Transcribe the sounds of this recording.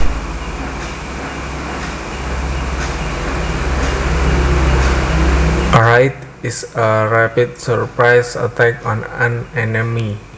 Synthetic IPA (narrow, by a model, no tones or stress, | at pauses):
ɾajt̪ | ɪsəɾapit̪səɹpɾajsə̰t̪ɛkɔnanɛnəmi